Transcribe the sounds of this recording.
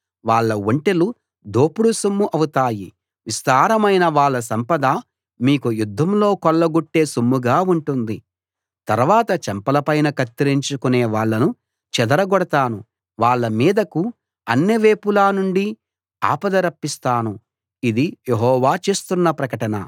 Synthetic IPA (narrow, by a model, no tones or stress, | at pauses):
ʋaːɭːɐwoɳʈelu | d̪oːpuɽusumːuʔɐwut̪aːji | ʋist̪aːɾɐmɐjnɐʋaːɭːɐs̬ɐmpɐd̪ɐ | miːkujud̪ʱːɐmlo̞ːkɔɭːɐɡuʈːe̞ːsumːuɡaːuɳʈund̪i | t̪ɐɾʋaːt̪ɐt͡ʃɛmpɐlɐpɐjnɐkɐt̪ːiɾiɲt͡ʃukune̞ːʋaːɭːɐnu | t͡ʃɛd̪ɐɾɐɡɔɽɐt̪aːnu | ʋaːɭːɐmiːd̪ɐku | ɐnːiʋeːpulaːnuɳɖi | a̰ːpɐd̪ɐɾɐpːist̪aːnu | id̪ijeɦɔːʋaːt͡ʃe̞ːst̪unːɐpɾɐkɐʈɐnɐ̰